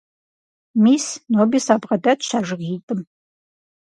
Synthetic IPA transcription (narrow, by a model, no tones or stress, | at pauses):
miːsnobisaːbʁɐdɐtʃaːʒɨʁiːtʼɨm